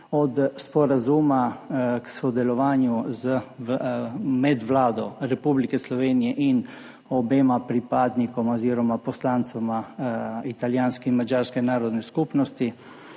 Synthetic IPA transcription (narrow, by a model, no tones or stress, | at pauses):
ɔd̪spɔɾazuːmaksɔd̪ɛlɔʋaːnjuz | mɛd̪ʋlaːd̪ɔɾɛpublikɛslɔʋeːnijɛʔin | ɔbeːmapɾipaːd̪nikɔmaɔziːɾɔmapɔslaːnt̪samait̪aljaːnskɛnmad͡ʒaːɾskɛnaːɾɔd̪nɛskupnɔst̪i